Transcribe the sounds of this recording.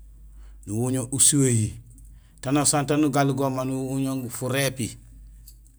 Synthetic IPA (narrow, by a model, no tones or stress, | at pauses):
nuwuɲoʔusuweji | tanosantanuɡaluɡomanuwuɲoŋɡufuɾepi